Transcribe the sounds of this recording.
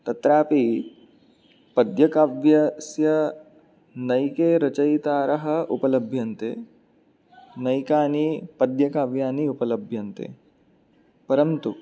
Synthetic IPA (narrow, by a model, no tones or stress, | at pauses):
t̪ɐt̪ɾaːpi | pɐd̪jɐkaʋjɐsjɐ | nɐjkeːɾɐt͡ʃɐjt̪aːɾɐɦɐ̆upɐlɐbʱjɐnt̪ḛ | nɐjkaːnipɐd̪jɐkaːʋjaːniupɐlɐbʱjɐnt̪ḛ | pɐɾɐmt̪u